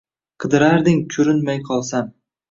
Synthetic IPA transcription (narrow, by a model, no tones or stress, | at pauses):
qʰɨd̪ɪɾaɾd̪ɪŋkʲʰʊɾɪnmajqʰɒlˠsan